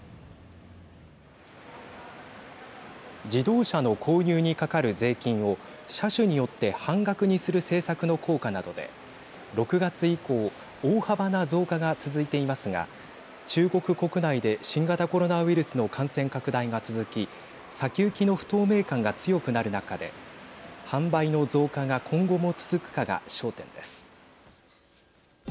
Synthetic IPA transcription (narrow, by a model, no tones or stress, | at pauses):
d͡ʑid̪o̞ːɕano̞kʰo̞ːɲʲɨːɲ̟ikakaɾɯ̟ze̞ːkʲĩɰ̃o̞ɕaɕɨɲ̟ijo̞t̪ːe̞hãŋɡakɯ̟ɲ̟isɨɾɯ̟se̞ːsakɯ̟no̞kʰo̞ːkanad̪o̞d̪e̞̰ | ɾo̞kɯ̟ɡat͡sɨiko̞ː | oːhabanazo̞ːkaɡat͡sɨzɨit̪e̞imasɨɡa̰ | t͡ɕɨːɡo̞kɯ̟ko̞kɯ̟naid̪e̞ɕĩŋɡat̪ako̞ɾo̞naβiɾɯ̟sɨno̞kʰãɰ̃sẽ̞ŋkakɯ̟d̪aiɡat͡sɨzɨkʲi | sakʲɨːkʲino̞ɸɯ̟̥t̪o̞ːme̞ːkãŋɡat͡sɨjo̞kɯ̟naɾɯ̟nakad̪e̞̰ | hãmbaino̞d͡zo̞ːkaɡakʰõ̞ŋɡo̞mo̞t͡sɨ̥zɨkɯ̟̥kaɡa̰ɕo̞ːt̪ẽ̞̰nd̪e̞sɨ̥